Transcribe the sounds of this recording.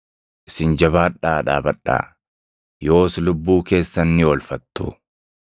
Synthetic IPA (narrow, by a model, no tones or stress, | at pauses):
ʔɪsɪnd͡ʒɐbaːᶑaːᶑa̰ːbɐᶑa̰ː | jo̞ːslʊbːuːke̞ːsːɐnːɪwɔlfɐt̪ːʊ̰